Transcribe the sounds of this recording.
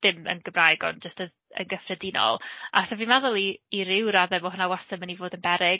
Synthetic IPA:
ð̥ɪmə̰nɡ̥əmrajɡɔ̰nd͡ʒəstə | ə̰nɡəfrɛdinɔ̰lˠʔaθavinmaðʊlˠiːɾɪwɾaðɛmɔɦənawasəmənivoːdənbɛɾɪɡ

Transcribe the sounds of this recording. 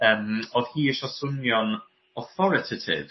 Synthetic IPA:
əːmoːð̥hiːəʃɔsʊnjɔn | ɔθɔɾɪtʰɪtʰɪ̰v

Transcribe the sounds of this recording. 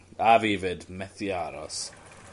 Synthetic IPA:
avivɪdmɛθiaɾɔ̰s

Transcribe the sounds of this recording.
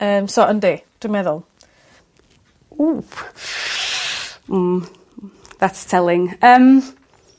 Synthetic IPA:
əːmsɔʔənded̥wɪmɛðʊlˠ | u | m̩ | ðatstʰɛlˠɪŋəːm

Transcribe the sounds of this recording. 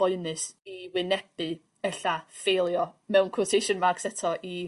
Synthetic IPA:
ɔɨnɨsiwɪnɛb̥ɨ | ɛɬafejlˠjɔmɛwnkʰotʰejʃənmarksɛtʰɔʔi

